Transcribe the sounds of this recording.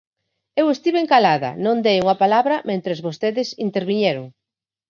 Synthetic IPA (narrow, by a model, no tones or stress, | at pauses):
ewest̪iβeŋkalaðɐ̰nõnd̪ejuŋɐpalaβɾɐmẽnt̪ɾezβost̪eðɪsint̪eɾβiɲɛɾoŋ